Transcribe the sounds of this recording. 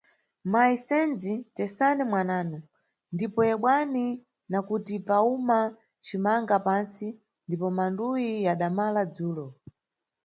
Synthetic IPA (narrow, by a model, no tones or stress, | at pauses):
maisɛnd͡zitɛsanimwanaːnu | ndipɔjɛɓwani | nakutipauma | t͡ʃimaŋɡapansi | ndipɔmandujijaɗamalad͡zuːlɔ